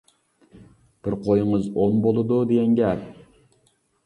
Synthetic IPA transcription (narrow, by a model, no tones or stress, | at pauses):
b̥ɪɾqʰojɪŋɨzonbolˠɨd̪ud̪eɡʲɛŋɡʲɛp